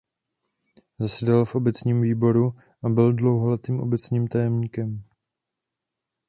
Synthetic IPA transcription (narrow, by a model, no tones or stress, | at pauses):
zasɛdalfʔo̞bɛt͡sɲiːmviːbo̞ɾu | ʔabɪldlo̞wɦolɛt̪iːmʔo̞̰bɛt͡sɲiːmt̪ajɛmɲiːkɛm